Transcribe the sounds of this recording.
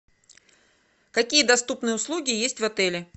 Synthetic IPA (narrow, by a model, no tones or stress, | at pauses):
kɐkʲijəd̪ɐst̪upnɨjəʊslˠuɡʲɪjesʲtʲvɐt̪ɛlʲɪ